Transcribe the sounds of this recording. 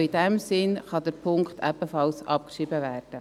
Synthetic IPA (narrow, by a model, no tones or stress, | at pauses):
id̥ɛmsɪnχɑd̪əɾpʰʊŋkt̪ʰɛbəfɑlsɑ̰p̚kʃibəʋæːrd̥ə